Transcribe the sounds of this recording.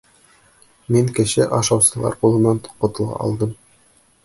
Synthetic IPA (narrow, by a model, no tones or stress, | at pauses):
miŋkɘ̆ɕɘʔɑʃɑwsɤ̆lˠɑ̰ɾqulˠɤ̆nɑnqŏt̪ɤ̆lˠʁɑ̰ʔɒ̰lˠd̪ɤm